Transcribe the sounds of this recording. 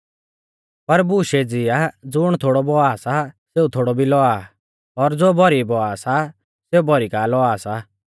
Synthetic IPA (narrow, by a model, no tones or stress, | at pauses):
pɐɾbuʃed͡zɪad͡zʊɽ̃t̪ʰoːɽɔbɔaːsaseːut̪ʰoːɽɔbʱilɔa | ɔːɾd͡zoːbɔɾibɔasa | seubɔɾikaːlɔaːsa